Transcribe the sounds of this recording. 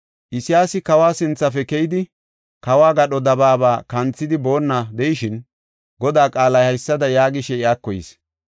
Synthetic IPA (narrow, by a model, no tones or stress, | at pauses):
ʔɪsɪjaːsɪkɐwaːsɪnt͡sːɐfɛkɛjɪd̪ɪ | kɐwaːɡɐɗɔd̪ɐbaːbaːkɐnt͡sːɪd̪ɪbo̞ːnːɐd̪ɛjɪʃɪn | ɡɔd̪aːkʼaːlɐjhɐjsːɐd̪ɐjaːɡɪʃɛɪaːkːɔjɪ̰s